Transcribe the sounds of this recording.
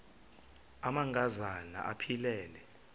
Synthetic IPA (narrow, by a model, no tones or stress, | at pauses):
amaŋkʼazana̰ʔapʰilɛːlɛ